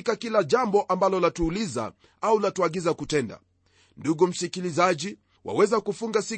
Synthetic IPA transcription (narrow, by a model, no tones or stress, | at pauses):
kakilaʄambɔʔambalɔlatuːliza̰ | aulatuaɠizakutɛnda̰ | nduɡum̩sikilizaʄi | wa̰wɛzakufuŋɡasi